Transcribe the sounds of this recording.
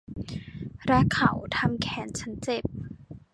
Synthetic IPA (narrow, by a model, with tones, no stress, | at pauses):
ɾa˦˥kʰa˧˩˦wt̪ʰa˧mkʰɛː˩˦nt͡ɕʰa˦˥nt͡ɕe˨˩p̚